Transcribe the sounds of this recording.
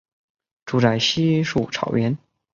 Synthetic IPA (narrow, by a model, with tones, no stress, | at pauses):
ʈ͡ʂu˧˥ʈ͡ʂa˨˩ɪɕi˥ʂu˥˩ʈ͡ʂʰɑ˨˩ʊɥɛ˧˥n